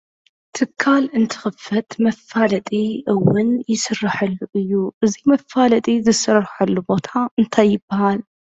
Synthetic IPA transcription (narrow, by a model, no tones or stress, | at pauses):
t̪ʰɨkʰːalɨnt̪ʰɨ̥xɨfːɐt̪mɐfːalɐt̪ʼiʔɨwɨnjɪsɨrːaħɐlːuʔɨjːuʔɨzimɐfalɐt̪ʼizɨsɐrħɐlːubo̞t̪ʰaɨnt̪ʰajːɪbːɐhal